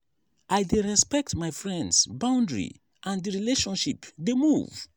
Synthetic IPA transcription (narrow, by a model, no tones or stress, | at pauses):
ʔajdeɹɛspɛk̚tmajfɹɛ̃ndsbãʊ̃ndɹḭ | ʔãndiɹileʃɔ̃nʃipdemuv